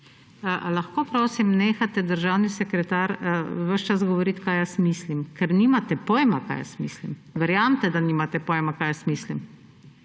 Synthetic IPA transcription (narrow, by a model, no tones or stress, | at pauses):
laxkoːpɾoːsimneːxat̪ɛd̪əɾʒawnisɛkɾɛt̪aːɾʋəʃt͡ʃast̪ɡɔʋɔɾit̪kaːjasmiːslimkɛɾniːmat̪ɛpɔːjmaka̰jə̰smiːslimʋɛɾjaːmt̪ɛd̪aniːmat̪ɛpɔjɛmakaːjəsmiːslim